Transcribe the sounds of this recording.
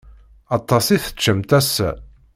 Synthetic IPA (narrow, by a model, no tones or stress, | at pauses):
ɑt̪ˤːɑsiθə̥t͡ʃːəmt̪æsæ̰